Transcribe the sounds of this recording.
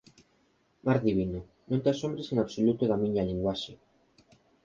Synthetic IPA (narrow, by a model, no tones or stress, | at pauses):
maɾðiβ̞ino | nõnt̪easombɾeseŋaβsolut̪oðamiɲaliŋɡwaʃe